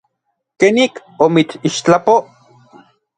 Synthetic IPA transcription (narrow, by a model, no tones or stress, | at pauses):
kenik | omit͡siʃt͡ɬapo